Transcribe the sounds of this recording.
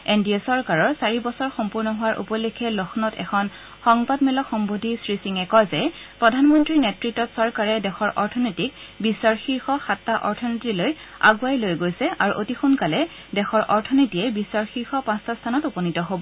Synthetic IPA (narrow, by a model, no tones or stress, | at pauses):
endiɔsɔɹkaɹɔɹsaɹibɔsɔɹxɔmpuɹnɔɦʊwaɹʔṵpɔlekʰɛlɔxnɔtɛ̰kʰɔn | xɔŋbadmɛlɔxɔmbodʱisɹisiŋɛkɔzɛpɹɔdʱanmɔntɹinɛtɹitːɔtsɔɹkaɹɛdɛxʰɔɹʔɔɹtʰɔnɔtik̚bisːaɹxiɹxɔxatːaʔɔ̰ɹtʰɔnitiloja̰ɡuajlojɡojsɛʔaɹuʔotixunkalɛ | dɛxɔɹʔɔɹtʰɔnɔtiɛbisaɹxiɹxɔpãstʰastʰanɔtupɔnitɔɦobɔ